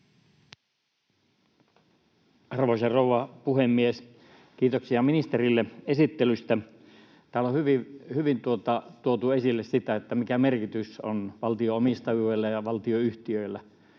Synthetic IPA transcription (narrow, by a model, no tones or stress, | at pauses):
ɑrʋoisɑrouʋɑpuhemːies | kiːt̪oksiɑminist̪erilːeesit̪ːelyst̪æ | t̪æːlohyʋihyʋint̪uot̪ɑt̪uot̪uesilːessit̪æet̪ːæmikæmerkit̪yso̰nʋɑlt̪ioomist̪ɑjujlːæjɑʋɑlt̪ioyht̪iøilːæ